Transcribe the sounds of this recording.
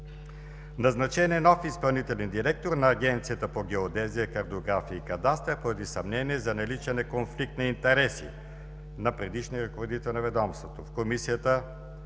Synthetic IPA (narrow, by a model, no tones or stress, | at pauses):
nɐznɐt͡ʃɛniɛnɔfispɐlˠnit̪ɛlɛnd̪iɾɛk̚t̪oɾnɐːɡ̟ʲɛnt̪sijət̪əpoɡʲɛod̪ɛzijəkɐɾt̪oːɡɾafiəikɐd̪ast̪əpoɾɐd̪isɐmnɛniɛzɐnɐlit͡ʃɛnɛkonflik̚t̪nɐint̪ɛɾɛsi | nɐpɾɛd̪iʃniəɾɐkovod̪it̪ɛlˠnɐvɛd̪ɔmst̪vot̪ofkomisijət̪ə